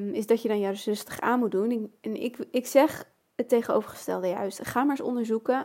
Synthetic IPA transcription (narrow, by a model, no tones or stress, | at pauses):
ɪzdɑtjədɑnjazɵstə̥χaːnmut̚dunɛnɪ̰kɪksɛχ | ətejχəno̰wvəɹχə̥stɛ̰lˠdəjœ̰ɥstχaːməɹsɔ̰ndəɹzukə